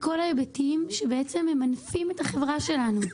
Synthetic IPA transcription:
ko̞laebetiimʃe̞beet͡se̞memanfime̞thaχe̞vʁaʃe̞lanu

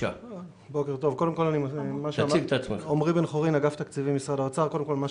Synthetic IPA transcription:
a̰ | bo̞keʁt̪o̞vko̞de̞mko̞lanimmaʃaamivt̪aːt͡smeχomʁibenχoʁinaɡaft̪akt͡sivimisʁadaot͡saʁkodemko̞lmaʃ

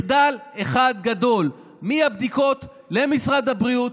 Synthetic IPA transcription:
d̪aleχad̪̚ɡad̪o̞l | miabd̪iko̞t̪ | le̞misʁad̪habʁiut

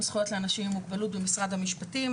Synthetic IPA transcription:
msχujo̞tleanaʃimimukbalutbemisʁadhamiʃpatim

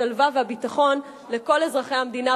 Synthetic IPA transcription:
alvavehabitaχo̞n | le̞ko̞le̞zʁaχejhamd̪ina

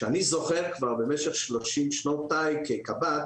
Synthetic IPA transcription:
ʃeanizo̞χeʁkvaʁbe̞meʃeχʃlo̞ʃimʃnotajkekabat

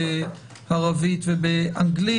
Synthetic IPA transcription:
ɪ | haʁaviːtvibɪaŋɡli

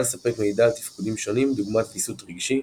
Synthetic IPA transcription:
lesapɛkmejdalt̪ifkudimʃonimduɡmatkisutʁiɡʃi

